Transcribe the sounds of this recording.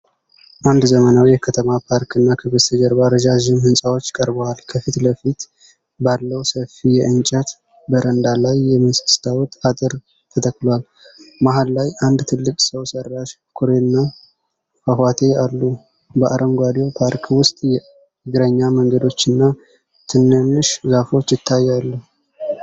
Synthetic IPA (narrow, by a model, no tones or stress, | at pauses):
ʔand̪zəmənawjɛkʰət̪ʰəmapʰaɾkʰɨnːakʰɨβɨst̪əd͡ʒəɾbaɾəd͡ʒaʒɪmhɨnsʼawot͡ʃːkʼəɾbəwalkʰəfit̪ləfit̪ | balːəwsəfijɛʔɨnt͡ʃʼət̪ | bəɾənd̪alajːɛmst̪st̪ʰawɔt̪ʼat̪ʼɨɾ | t̪ʰət̪ʰəkːlwal | maɦalːajʔand̪t̪ʰɨlːɨkʼsəwsərːaʃ | kʰoɾenːa | fəɦwat̪ʰe̞alːu | bəʔaɾʔəŋɡʷwad̪o̞pʰaɾkʰwʊst̪ʼjɛ | ɨɡɾəɲːaməŋɡəd̪o̞t͡ʃːɨnːa | t̪ʰɨnːɨnːɨʃzafo̞t͡ʃːjɪt̪ʰːajːalːu